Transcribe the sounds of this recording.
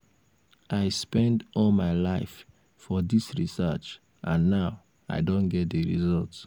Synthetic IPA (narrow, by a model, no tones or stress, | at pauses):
ʔaɪspɛ̃ndɔlmaɪlaɪf | fɔðisɹisɜ̰t͡ʃ | ʔãnːaʊ | a̰ɪdõnɡɛt̚deɹḭzɔlˠt